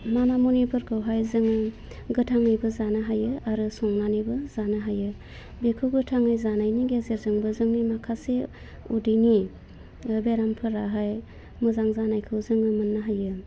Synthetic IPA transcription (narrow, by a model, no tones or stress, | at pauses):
manamunipʰɯɾkʰɯwɦajzɯŋɯ | ɡɯtʰaŋɯjbɯzanɯɦajɯaɾɯsɔŋnanibɯzanɯɦajɯ | bekʰɯwɡɯtʰaŋɯjzanajniɡezeɾzɯŋbɯzɯŋnimakʰase | udini | beɾampʰɯɾaɦaj | muzaŋzanajkʰɯwzɯŋɯmɯnːaɦajɯ